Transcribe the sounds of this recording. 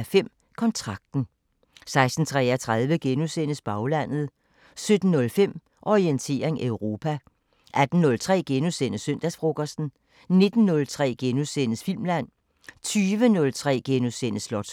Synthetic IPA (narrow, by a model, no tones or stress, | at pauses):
fem̰ | kʰɒ̽nt͡sʰʁɑ̈ɡ̥̚d̥n̩ | sɑ̈ɪsd̥n̩t͡sʰʁɛ̰ːɐt͡sʰʁɑð̞ˠʋəɡ̥enusen̰əsb̥ɑ̈ʊlæn̰ð̞̩ˠ | sød̥n̩ːɔ̽lfem̰ | ʔɒʁient͡sʰe̝̰ːɐʁeŋʔøʊʁo̝ːpʰæ | ʔæd̥n̩ːɔ̽lt͡sʰʁɛ̰ːɡ̥enusenəsːøn̰d̥æsfʁo̝ɡ̥ɐsd̥n̩ | ne̝d̥n̩ːɔ̽lt͡sʰʁɛ̰ːɡ̥enusenəsfil̰mlæn̰ | t͡sʰyːʋənɔ̽lt͡sʰʁɛ̰ːɡ̥e̝nosenəslɒd̥